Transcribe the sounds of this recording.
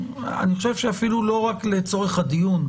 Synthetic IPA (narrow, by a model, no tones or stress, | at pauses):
a̰niχoʃevʃeafilulo̞ʁakle̞t͡so̞ʁeχad̪ijun